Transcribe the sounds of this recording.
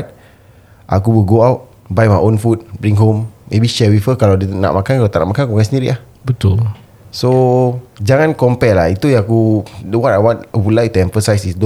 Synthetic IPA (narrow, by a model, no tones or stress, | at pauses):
t̚ | ʔa̰kuwiɡoawt̚ | bajmajʔonfut̚bɾiŋɦomːebiʃɛwifəkalawdəna̰ʔmʔakankalat̪aʔna̰ʔmakankukasəndiɾḭʔah | bət̪ul | so | d͡ʒaŋãnkɔmpɛʔlahit̪ujãakudəwɔtajwanəwulajt̪uɛ̃ɱfəsajsisdo